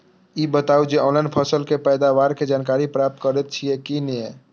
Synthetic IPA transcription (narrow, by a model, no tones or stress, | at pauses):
iːbət̪aːud͡ʒeɔ̃ːnlaɪnpʰəsəlkepɛːd̪aʋaːɾked͡ʒaːnkaːɾipɾaːp̚t̪̚kəɾet̪̚t͡ʃʰiekinie